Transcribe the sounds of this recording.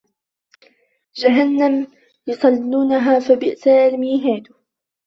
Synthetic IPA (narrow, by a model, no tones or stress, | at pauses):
d͡ʒaɦanːam | jʊsˤɑlːuːnaɦaːfabɪʔsaʔalmiːɦaːd̪ʊ